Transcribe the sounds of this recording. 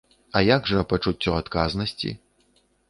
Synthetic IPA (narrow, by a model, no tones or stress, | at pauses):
ɐjaɡʐɐpɐt͡ʂut͡sʲːɔat̪kaznɐsʲt͡sʲḭ